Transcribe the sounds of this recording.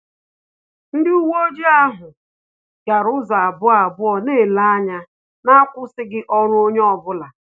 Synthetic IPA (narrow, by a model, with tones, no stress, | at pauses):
n̩˦dɪ˦u˦wo˦d͡ʒi˦a˦ɦʊ˨ | ɡa˨ɾʊ˦za˨a˨bʊ˦a˨bʊ˦ɔ˨neː˦˨la˦a˦ɲa˦ | na˦kʷʊ˦sɪ˦ɡɪ˦ʔɔ˦ɾʊ˦o˦ɲe˦ɔ˨bʊ˦la˨